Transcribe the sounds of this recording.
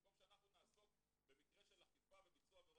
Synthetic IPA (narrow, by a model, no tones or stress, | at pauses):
komʃeanaχnunaːso̞k | be̞mikʁe̞ʃe̞laχifavebit͡suave